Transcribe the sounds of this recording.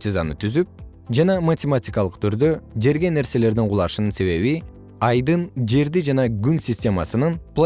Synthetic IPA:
tʲeza̰nɯt̪ʰyzyp̚ | d͡ʒɑnɑmatʲematʲikɑlˠɯqt̪ʰyɾd̪ø̞d͡ʒe̞ɾɡʲe̞ne̞ɾse̞le̞ɾd̪iɴqʰulˠɑʃɯnɯnse̞βe̞βi | ɑjd̪ɯnd͡ʒe̞ɾd̪id͡ʒɑnɑɡynsʲɪsʲtʲe̞mɑ̰sɯnɯnplˠ

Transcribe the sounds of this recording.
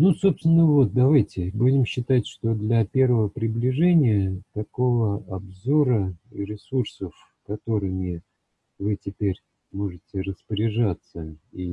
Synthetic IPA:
nuso̞pst̪vʲɪnːəvo̞t̪̚d̪ɐvajtʲɪbudʲɪmɕːɪt̪atʲʂt̪o̞d̪lʲɐpʲe̞rvəvəpɾʲɪblʲɪʐɛnʲɪjət̪ɐko̞vəɐbzo̞ɾəɾʲɪsursəf | kɐt̪o̞ɾɨmʲɪ | vɨtʲɪpʲeɾʲ | mo̞ʐɨtʲɪrəspəɾʲɪʐat̪səi

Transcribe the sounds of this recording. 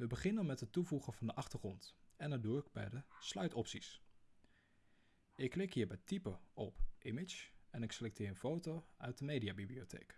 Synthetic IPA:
ʋəbəχɪnənmɛtɦətuvuχəv̥ɑndəʔɑχtəɹχrɔntɛnəduɪɡ̚bɛ̰jdəslœɥtɔpsis | ɪkːlɪkɦiːəɹbɛjtipəɔpʔɪmɪt͡ʃɛnɪkselɛk̚tʰɪːɹə̃nfowtoœɥ̚dəmejdiabibliotʰḛːk

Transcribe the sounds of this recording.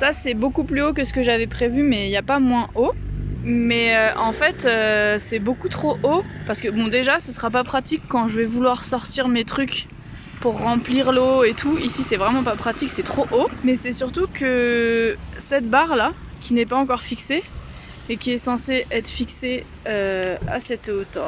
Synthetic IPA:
sasɛbokuplyokəsə̥kəʒavɛpχevymɛiljapamwɛ̃o | mɛøʔɑ̃fɛt̪øsɛbokut̪χoʔopaʁsə̥kəbɔ̃d̪eʒasəsəʁapapχat̪ikːɑ̃ʒəvɛvulwaʁsɔʁt̪iʁmet̪χyk | puʁːɑ̃pliʁloet̪ʰuisisɛvʁɛmɑ̃papχat̪iksɛt̪χoʔomɛsɛsyʁt̪ukə | sɛt̪̚baʁla | kʲinɛpaɑ̃kɔʁfikse | ekʲiɛsɑ̃seʔɛt̪χəfikse | øa̰sɛt̪ot̪ɑ̃

